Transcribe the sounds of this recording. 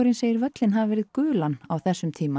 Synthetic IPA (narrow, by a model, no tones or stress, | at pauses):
ɾɪnseːjɪɾvœt̪lɪnɦavvɛːɾɪðkʏːlanawθɛsːʏmt̪ʰiːma